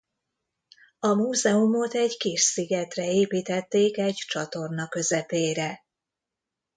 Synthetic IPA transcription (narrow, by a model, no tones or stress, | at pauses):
ɒmuːzɛumo̞t̪ɛɟkiʃsiɡɛt̪rɛeːpiːt̪ɛt̪ːeːkɛɟt͡ʃɒt̪o̞rnɒkø̞zɛpeːɾɛ